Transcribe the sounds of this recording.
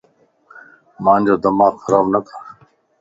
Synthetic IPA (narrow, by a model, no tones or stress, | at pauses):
mãːnd͡ʑoːd̪əmaːɡxəɾaːbnək̪ʰḁː